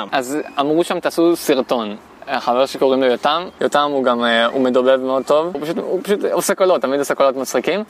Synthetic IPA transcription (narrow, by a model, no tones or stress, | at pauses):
ʔazamʁuʃamt̪asusiʁt̪o̞n | χaveʁʃeko̞ʁimlojotamjotamuɡamṵme̞dobevmeo̞d̪̚t̪o̞vpaʃutupaʃut̪osekolo̞tːamidosekolo̞tmat͡sχikim